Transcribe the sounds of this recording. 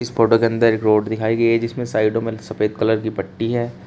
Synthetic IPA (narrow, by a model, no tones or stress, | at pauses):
ɪspɾoːʈəkẽɐ̃nd̪əɾɪkɾoːɾɖd̪ɪkʰaːiɡɐiɦɛd͡ʒɪsmẽsaːɪɖõmẽsɐfeːd̪̚kɐləɾkipɐʈːiɦɛː